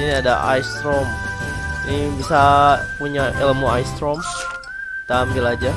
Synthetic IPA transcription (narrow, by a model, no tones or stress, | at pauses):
iniadaʔa̰jst̪ɾɔm | nibisapuɲaʔeləmuajst̪ɾɔms | t̪ambilad͡ʒa